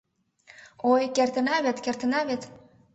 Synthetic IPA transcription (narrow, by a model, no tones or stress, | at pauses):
ojkert̪ə̆nɑβet̪kert̪ə̆nɑβet̪